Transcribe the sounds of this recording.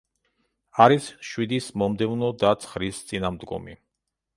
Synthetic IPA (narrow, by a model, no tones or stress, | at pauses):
aɾisʃwid̪ismɔmd̪ɛvnɔd̪at̪sʰχɾist̪sʼinamd̪ɡɔ̰mi